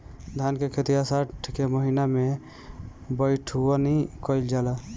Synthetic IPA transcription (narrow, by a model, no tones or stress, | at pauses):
d̪ʱankekʰet̪ijasaʈʰkeməɦiname | bəjʈʰuɔnikɔɪld͡ʒala